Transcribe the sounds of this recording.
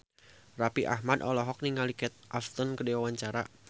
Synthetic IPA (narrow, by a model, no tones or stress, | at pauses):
rapiʔa̰ɦmadɔlɔɦɔk̚niŋalikɛt̪̚ʔaft̪ɔnkədɛwawaɲt͡ʃaɾa